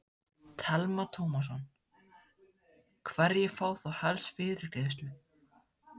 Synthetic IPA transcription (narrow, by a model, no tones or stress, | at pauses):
t̪ʰalmat̪ʰoːwmas̬ɔn | kʰvaɾjɛfaːwθawhalsfɪːðɪɾ̥kɛðɪst̪lʏ